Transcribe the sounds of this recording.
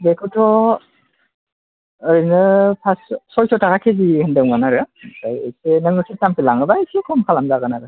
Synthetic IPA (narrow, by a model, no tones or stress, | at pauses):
bekʰɯtʰɔ | ɯnɯpʰassɔjtʰɔtʰaɣakʰezihɯndɯwmanaɾɯajḛsenɯŋɯkʰetampʰilaŋɯbaisekʰɔmkʰalamzaɡɯnaɾɯ